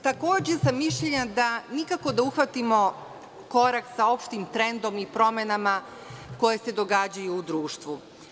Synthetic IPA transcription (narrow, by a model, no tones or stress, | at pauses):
t̪akoːd͡ʑesamːiʃʎeɲad̪anikako̞d̪auxʋat̪imo̞ | ko̞ɾaksao̞pʃt̪imt̪ɾend̪o̞mipɾo̞me̞nama | ko̞je̞se̞d̪o̞ɡad͡ʑajuːd̪ɾuːʃt̪ʋu